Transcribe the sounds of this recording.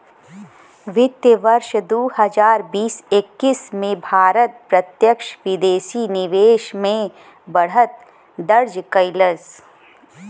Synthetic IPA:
ʋɪt̪jəʋɐɾʃd̪oːɦɐzaːɾbiːsekːismẽbʱaːɾət̪̚pɾɐt̪jəkʃʋɪd̪eːʃinɪʋeːʃmẽ | bɐɽ̤ət̪̚ | d̪ɐɾd͡ʒkɐɪləs

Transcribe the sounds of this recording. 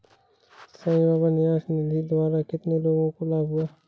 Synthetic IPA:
sãbaːbanɪjaːsnelid̪ʊbaːɾakɪt̪neloːɡõkolaːbɦʊaː

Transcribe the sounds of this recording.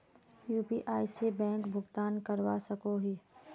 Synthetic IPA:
juːpiːʔaːɪsebɛ̃ːŋkbʱʊɡt̪aːnkəɾwa̰sɐkoɦiː

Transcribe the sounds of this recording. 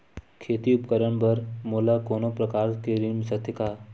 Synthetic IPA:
kʰeːt̪iʊpkəɾəɳ̃bɐɾmoːlakoːnopɾɐkaːɾkeɾimsɐt̪ʰːɪkaː

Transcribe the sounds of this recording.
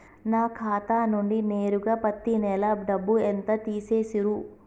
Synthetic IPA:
naːkʰaːt̪aːnuɳɖine̞ːɾuɡaːpɐt̪ːinɛlɐɖɐbːuent̪ɐt̪iːse̞ːsiɾu

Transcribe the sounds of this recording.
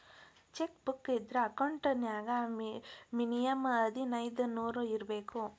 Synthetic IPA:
t͡ʃekbukːid̪ɾɐɐkɐwɳʈɐnjaːɡɐ | minijɐmɐd̪inɐjd̪unuːɾuiɾɐbeːku

